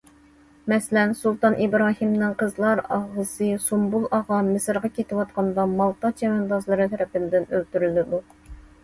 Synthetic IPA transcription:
mɛslɛnsulˠt̪ɑnʔibɾɑːɦimnɨŋqʰəzlˠɑɾɑʁəsɨsumbulˠɑʁɑmɨsɨɾʁɑkʲʰet̪ʰɪwɑt̪̚qʰɑnd̪ɑmɑlˠt̪ɑt͡ʃʰɛmɛnd̪ɑzlˠɨɾɨt̪ʰɛɾɛpɪnd̪ɪnølt̪yɾylɪd̪u

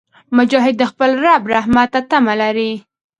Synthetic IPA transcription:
mʊd͡ʒɑɦɪd̪̚ːəxpəlɾabɾahmat̪ːat̪amalaɾi

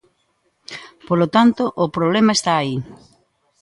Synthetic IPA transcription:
polot̪ant̪ʊʔʊpɾoβlemɐest̪aːi

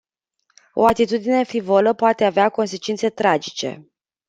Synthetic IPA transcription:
o̞̰at̪it̪ud̪ine̞fivoləpoat̪e̞aveako̞nse̞t͡ʃint̪se̞t̪ɾad͡ʒit͡ʃe̞̰

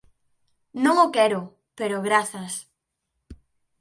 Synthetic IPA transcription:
nõŋokɛɾʊ | peɾoɣɾaθɐs

